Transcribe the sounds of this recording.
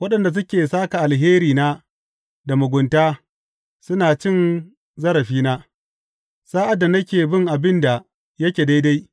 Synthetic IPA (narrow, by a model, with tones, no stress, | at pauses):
wɐ˦ɗɐ˨nda˨s̬ʊ˦kʲeː˨saː˦ka˨ʔa˨lɦeː˦ɾiː˨naː˦ | da˨mʊ˨ɡʷʊ˨ntaː˦ | sʊ˦naː˨t͡ʃɪ˦n | zɐ˦ɾɐ˨ɸiː˦naː˦ | saː˦ʔa˨da˨nɐ˦kʲeː˨bɪ˦ŋʔa˨bɪ˦nda˨ | jɐ˦kʲeː˨da˦jda˦j